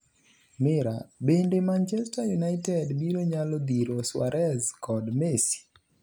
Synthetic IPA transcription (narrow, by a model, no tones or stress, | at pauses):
mɪɾa̰bendemant͡ʃɛstajunaɪtɛdbiɾoɲalɔd̪iɾoswa̰ɾʔɛzkʰɔdmesi̥